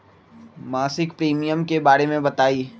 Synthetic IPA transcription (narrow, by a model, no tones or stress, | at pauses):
maːsɪkpɾiːmijəmkebaːɾemẽbɐt̪aːiː